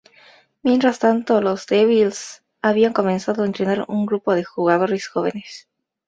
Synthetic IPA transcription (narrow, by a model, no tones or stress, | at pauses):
mje̞nt̪ɾast̪ant̪o̞lo̞zd̪eβils | aβiaŋko̞mẽ̞nsaðoaent̪ɾe̞naɾṵŋɡɾupo̞ð̞e̞xuɣaðo̞ɾe̞sxo̞β̞e̞̰ne̞s